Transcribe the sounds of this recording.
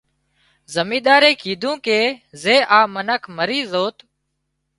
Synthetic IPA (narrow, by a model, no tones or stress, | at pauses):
zəmiːɗ̪aːɾeːkʰiːd̪ʱũːkeːzeːʔaːmənəkʰməɾiːzoːt̪